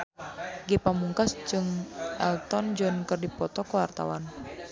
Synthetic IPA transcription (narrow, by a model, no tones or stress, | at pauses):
ɡepamuŋkasd͡ʒɨŋʔɛlt̪ɔnd͡ʒɔnkərdipɔt̪ɔkəwart̪a̰wan